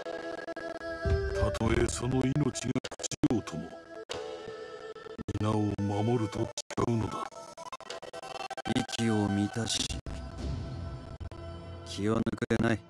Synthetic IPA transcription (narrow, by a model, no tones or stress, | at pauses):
t̪ʰat̪ʰo̞eso̞no̞inot͡ɕiɡakɯ̟̥t͡ɕijoːt̪ʰo̞mo̰ | mʲinaomamo̞ɾɯ̟t̪ot͡ɕi̥kaɯ̟no̞d̪a | ikʲiomʲit̪aɕḭ | kʲʰianɯkɯ̟ɾenai